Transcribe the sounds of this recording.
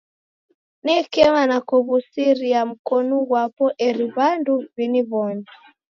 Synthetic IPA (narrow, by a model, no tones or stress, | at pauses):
nɛkɛmanakɔβusiɾiam̩kɔnuɣwapɔʔɛɾiβanduβiniβɔni